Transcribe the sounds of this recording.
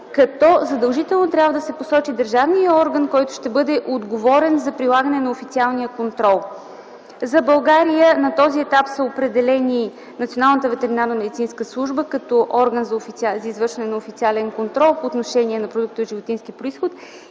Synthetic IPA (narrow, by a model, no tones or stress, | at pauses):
kɐt̪ɔzɐd̪əlˠʒit̪ɛlˠnot̪ɾʲjabvəd̪ɐsɛposɔt͡ʃid̪əɾʒavnijəɔɾɡənkɔjt̪ʊ̥ʃt̪ɛbɤd̪ɛʔod̪ɡovɔɾɛnzɐpɾilˠaɡənɛnɐofit̪sialˠnijəkont̪ɾɔlˠ | zɐbɐlˠɡaɾijənɐt̪ɔziɛt̪apsəopɾɛd̪ɛlɛni | nt̪sionalˠnət̪əvɛt̪ɛɾinaɾnəmɛd̪it̪sinskəslˠuʒbəkɐt̪ɔʔɔɾɡənzɐofit̪szɐizvɤɾʃvɐnɛnɐofit̪sialɛnkont̪ɾɔlˠpoːt̪noʃɛniɛnɐpɾod̪uk̚t̪əʒivot̪inskipɾʊisxot̪